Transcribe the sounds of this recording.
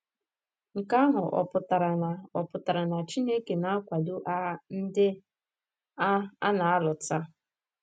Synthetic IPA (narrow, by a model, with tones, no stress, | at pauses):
ŋ̩˨ka˦ɦʊ˨ʔɔ̰˨pʊ˨ta˨ɾa˨na˨ɔ˨pʊ˨ta˨ɾa˨na˨t͡ʃi˦ne˦ke˨na˦a˦kʷa˨du˦ʔa˦n̩˦dɪ˦ | a˦a̰˦na˨a˦lʊ˨ta˦